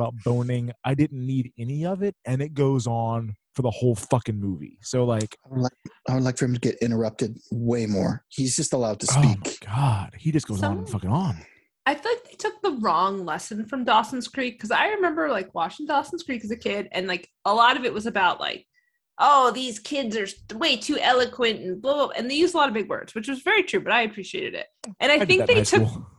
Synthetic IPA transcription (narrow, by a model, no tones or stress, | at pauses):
baʊt̚b̥õʊ̃nɪ̃ŋʔaɪdɪdⁿn̩niɾɛniʌvɪt̚ɨ̃nɨt̚ɡ̥oʊzn̩fə˞ðəhoʊlˠfʌkɪ̃ŋmuvḭsoʊlaɪklaɪaɪʊndlaɪkfə˞ɨ̃mtʰɨɡɛɾɪ̃ɾ̃ə˞ʌp̚tɨd̚weɪmɔ̰ɹhizd͡ʒʌstəlaʊd̚tʰɨsoʊmaɪɡ̥ɑd̥̚hid͡ʒʌsɡ̥oʊz̃ñn̩fʌkɪ̃ŋə̃n | aɪθɪk̚ðeɪtʰʊk̚ðəɹɔ̃ŋlɛsɨ̃n̩fɹʌ̃mdɔsn̩skɹ̥ikʰːʌzaɪɹɨmɛ̃mbə˞laɪkwɑt͡ʃɪ̃ŋdɑsn̩skɹ̥ikɨzɨkʰɪdɨ̰̃nlaɪk | əlɔɾʌvɨt̚wʌzɨbaʊʔla̰ɪk̚ | ʔoʊðiz̥kʰɪdzə˞weɪtʰʉʔɛlˠəkʰwɨ̃ntn̩bloʔɨ̰̃nðeɪjʉzəlɔɾʌvbɪɡwɜ̰˞dz̥wɨt͡ʃwʌzvɛɹitʰɹ̥ʉbʌɾaɪɨpʰɹ̥iʃiḛɪɾɨ̰ɾɪ̰t̚ʔɨ̃ɾ̃aɪθɪ̃ŋ̚ðeɪtʰʊ